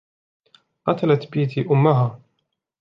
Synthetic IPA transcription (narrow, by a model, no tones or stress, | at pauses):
qɑt̪alat̪biːt̪ʰiʔʊmːaɦaː